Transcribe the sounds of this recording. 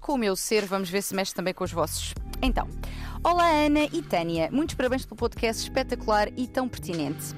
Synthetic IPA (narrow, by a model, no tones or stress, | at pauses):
kʰõumewseɾvɐmuʒveɾsɨmɛʃt̪ɾt̪ɐmbɐ̃j̃kõuʒvɔsu̥ʃẽnt̪ɐ̰̃w̃ɔlˠaɐnɐʔit̪ɐniɐmũj̃t̪u̥ʃpɐɾɐβɐ̃j̃ʃplˠupɔðkɛst̪ʃpɛt̪ɐkulˠaɾit̪ɐ̃w̃pɨɾt̪inẽnt̪